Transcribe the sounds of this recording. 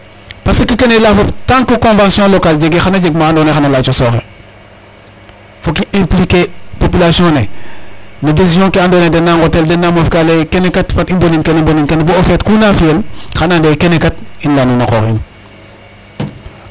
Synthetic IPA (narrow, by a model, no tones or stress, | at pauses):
pasekikenelafoptãŋkukɔ̃nvãnsjɔ̃lokald͡ʒeɡexanad͡ʒeɡmãːndonexanalat͡ʃosɔːxe | fokiɛ̃mplikepopilasijɔ̃ne | nudes̬izɔ̃keandonedɛnːaŋɡoteldenːamofkalekenekatfatimboniŋkenimboniŋkenbuofɛtkunafielxanandekenekat̚inlanunakɔ̰ɾḭn